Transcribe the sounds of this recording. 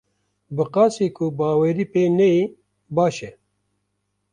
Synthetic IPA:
bɨqaːsiːkʰubaːweːɾiːpeːnɛi | baːʃɛ

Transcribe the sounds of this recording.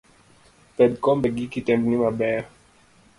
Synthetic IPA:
pɛd̚kɔmbeɡikitɛmbnimabɛ

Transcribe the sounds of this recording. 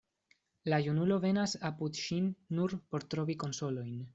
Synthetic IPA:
lajunulo̞ve̞nasapud̪ʃinːuɾpo̞ɾt̪ɾo̞viko̞nso̞lo̞jn

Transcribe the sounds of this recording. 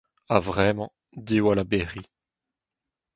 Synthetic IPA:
avʁɛmɑ̃ | diwalabeːʁi

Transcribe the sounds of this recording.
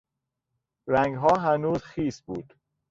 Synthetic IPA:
ɾæŋɡɦɒːɦænuːzxiːsbuːd̪̥

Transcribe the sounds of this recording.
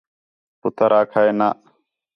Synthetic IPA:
pʊt̪ʰəɾʔaːkʰaeːnaː

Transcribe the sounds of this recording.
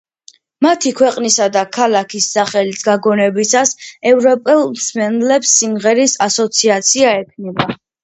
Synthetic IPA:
mat̪ʰikʰwɛqʼnisad̪akʰalˠakʰisːaχɛlisɡaɡɔnɛbisasɛvɾɔpʼɛlˠmsmɛnlɛpsːimʁɛɾisasɔt̪sʰiat̪sʰiaɛkʰnɛba

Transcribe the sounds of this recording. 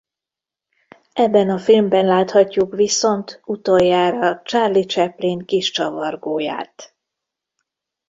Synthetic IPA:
ɛbːɛnɒfilmbɛnlaːt̪hɒcːukʋiso̞nt̪ut̪ojːaːɾɒt͡ʃaːrlit͡ʃɛpleːŋkiʃt͡ʃɒvɒrɡoːja̰ːt̪

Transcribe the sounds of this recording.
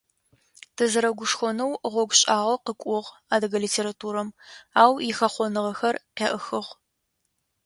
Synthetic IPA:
tʰɨzɨɾɐɡʷʊʂxʷɔnɐwʁʷɔɡʷɕʼaːʁɐqəkʷʼʊʁ | aːdɨɡɐliːtʰeːɾatʰuːɾɐmaːwjɪxɐχʷɔnɨʁɐxɐrqʲeʔəxɨʁ

